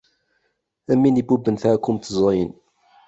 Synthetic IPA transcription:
æmːinibubənθʕækːumt̪ːəzˤɑjən

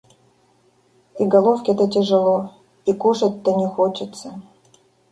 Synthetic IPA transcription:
iɡalˠofkʲet̪ətʲeʐəlˠo | ikuʂətʲt̪ːənʲexot͡ɕɪt̪t͡sːə

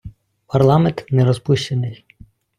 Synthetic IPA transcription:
pʰɐrlˠɑment̪nɛɾɔspuʃt͡ʃenɪj

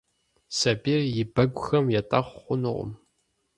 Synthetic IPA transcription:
sɐbirjɪbɐɡʷʼʊxɐmjɛtʼɐχʷχʷʊnɨʁʷʊ̰m

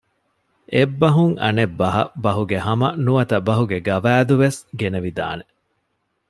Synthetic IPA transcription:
ebːɐɦuŋɐ̰nebːɐɦɐ̰bɐɦuɡehɐmɐnuʋɐt̪ɐbɐɦuɡeɡɐʋæːd̪uʋesɡeneʋid̪a̰ːne

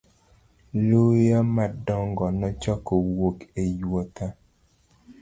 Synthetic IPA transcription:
lojamadɔŋɡɔnɔt͡ʃɔkɔwokejwɔta

